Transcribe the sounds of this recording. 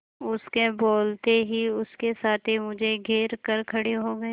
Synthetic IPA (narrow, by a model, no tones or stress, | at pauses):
ʊskeboːlt̪eɦiʊskesaːt̪ʰimʊd͡ʒʱeɡʱeːɾkəɾkʰɐɽeɦoɡɐe